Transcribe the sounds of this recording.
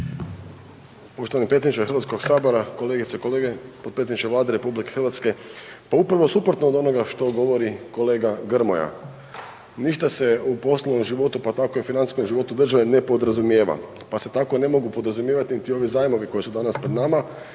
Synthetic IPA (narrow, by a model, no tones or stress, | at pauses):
po̞ʃt̪oʋanipɾet̪ʲenit͡ʃexɾʋat̪skoɡsaːbo̞ɾako̞leɡit̪sekoleɡepod̪peed̪it͡ʃkeʋlaːd̪eɾe̞publike̞xrɾʋat̪ske̞paupɾaʋo̞supɾot̪noːd̪o̞no̞ɡaʃt̪o̞ɡo̞ʋo̞ɾiko̞le̞ːɡaɡɾ̩mo̞ja̰ | niʃt̪ase̞upo̞slonomʒiʋo̞t̪upat̪ako̞iufinani̥skomʒiʋo̞t̪ud̪r̩ʒaʋe̞ne̞po̞d̪ɾazumjeːʋa̰ | pase̞t̪ako̞ne̞mo̞ɡupod̪ɾazumjeʋat̪init̪io̞ʋizaːjmo̞ʋiko̞jesud̪anaspɾed̪nama